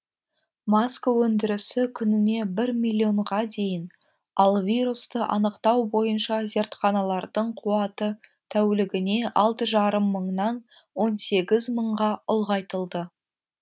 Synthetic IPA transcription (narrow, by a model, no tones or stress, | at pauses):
maskəwɵnd̪ɪɾɪsɪkʲʰʏnɪne̞bɪɾmilʲˠːio̞ɴʁɑd̪e̞jɪn | ɑlˠvʲijɾust̪əʔɑ̰nəqt̪ɑwbo̞jənʃɑze̞ɾt̪χɑnɑlˠɑɾd̪əɴqʰuɑt̪ət̪ʰæwlɪɡʲɪne̞ʔɑlˠt̪əʒɑɾəmːəɴnɑn | wo̞nse̞ɡʲɪzməɴʁɑʊlˠʁɑjt̪əlˠd̪ə